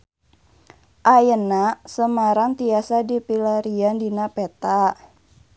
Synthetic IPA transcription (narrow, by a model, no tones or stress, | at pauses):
ʔajənasəmaɾaŋt̪iasadipilaɾiandinapet̪a